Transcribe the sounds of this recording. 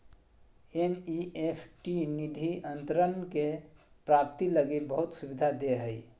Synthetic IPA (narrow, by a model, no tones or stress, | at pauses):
eniʔepʰʈinid̪ʱiʔənt̪ɾənke | pɾap̚t̪iləɡibəɦut̪subid̪ʱad̪eɦəj